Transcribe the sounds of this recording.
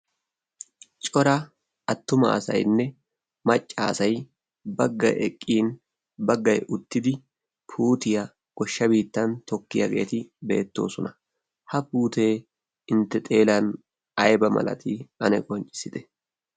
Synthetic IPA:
t͡ʃʼɔɾɐ | ɐt̪ːʊmɐ̰ɐ̰sɐ̰jnːɛ | mɐt͡ʃʼːɐːsɐj | bɐɡːɐjʔɛkʼːiːn | bɐɡːɐjʔʊt̪ːɪd̪ɪ | pʰuːt̪ɪjɐ | ɡ̥ɔʃːɐbiːt̪ːɐnt̪ɔkːɪjɐ̰ɡe̞̰ːt̪ɪbe̞̰ːt̪ːo̞̰ːsɔnɐ | hɐpuːt̪e̞ː | ɪnt̪ːɛt̪ʼe̞ːlɐn | ɐjbɐmɐ̰lɐ̰t̪ʰɪɐnɛkʼɔnt͡ʃʼːɪ̥sɪd̪ɛ̥

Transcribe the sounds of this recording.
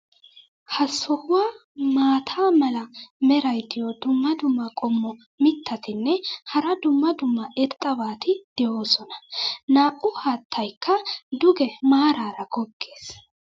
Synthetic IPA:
hɐsːɔhʊwaː | maːt̪ʰaːmɐlɐmɛɾɐjd̪ɪjɔd̪ʊmːɐd̪ʊmːɐkʼɔmːɔ | mɪt̪ʰːɐt̪ɪnːɛhɐɾɐd̪ʊmːɐd̪ʊmːɐʔɛɾt̪ʼːɐbaːt̪ɪd̪̥ɛjoːsɔnɐ̥naːʔʊhaːt̪ʰːɐjkʰːɐd̪ʊɡɛmaːɾaːɾɐɡɔɡːe̞ːs

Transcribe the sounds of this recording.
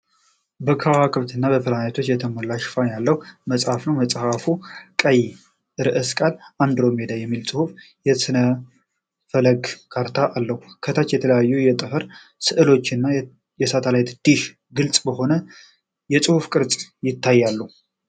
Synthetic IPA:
bəkʰawakʰɨβt̪ʰɨnːaβəfɨlanat̪ʰo̞t͡ʃːjɛt̪ʰəməlːaʃfanjalːəhuməsʼhafnəwməsʼhafukʼəj | ɾɨʔɨskʼaland̪ɾo̞med̪ajɛmːilsʼɨhuf | jɛsɨnə | fələɡkʰaɾt̪ʰaʔalːəhukʰət̪ʰat͡ʃːjɛt̪ʰələjajːujɛt̪ʼɨfɨɾ | sɨʔɨlo̞t͡ʃːɨnːa | jɛsat̪ʰəlajt̪d̪̥iʃ | ɡɨlt͡sʼbəɦo̞nə | jɛsʼɨhufkʼɨɾt͡sʼjɪt̪ʰːajːalːə

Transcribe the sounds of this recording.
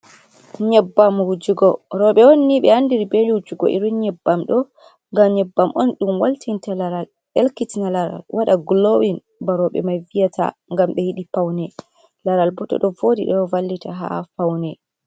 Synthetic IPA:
ɲɛbːamud͡ʒuɡɔɾɔɓɛwonːiɓɛandiɾibeiwud͡ʒuɡɔ̰ʔḭɾunɲɛbːamɗɔ | ŋɡamɲɛbːamʔɔnɗumwaltintalaɾal | ɛlkitinalaɾa̰lwʔaɗaɡlowin | baɾɔɓɛ̰majvijatʰa̰ŋɡamɓɛhiɗipawnɛ | laɾalbɔtɔ̰ɗɔvodḭɗɔvalːitaɦa̰fawnɛ

